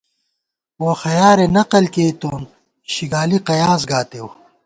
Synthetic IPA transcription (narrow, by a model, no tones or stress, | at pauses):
woxɐjaːɾenɐqɐlkeːt̪oːn | ɕiɡaːliqɐjaːz̬ɡaːt̪ew